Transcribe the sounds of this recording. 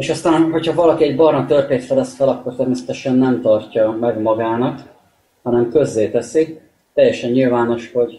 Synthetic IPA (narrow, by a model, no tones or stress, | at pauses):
eːʃɒst̪aːnɦo̞chɒvɒlɒkiɛɟbɒrmɒt̪ørp̪eːt̪fɛlɛsfɛlɒkːo̞rt̪ɛrmeːsɛ̥t̪ɛʃɛnːɛmt̪ɒrcɒmɛɡmɒɡaːnɒk | hɒnɛmkø̞zːeːt̪ɛsi | t̪ɛjːɛʃɛɲɲilvaːno̞ʃho̞ɟ